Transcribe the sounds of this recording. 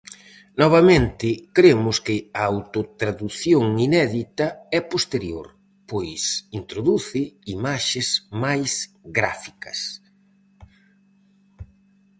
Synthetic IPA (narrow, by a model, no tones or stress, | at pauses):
nɔβ̞ɐmẽnt̪ɪkɾemʊskɪɐawt̪ot̪ɾaðuθjoŋinɛðit̪ɐɛpost̪eɾjo̰ɾ | pojsint̪ɾoðuθɪimaʃɪzmajsɡɾa̰fikɐs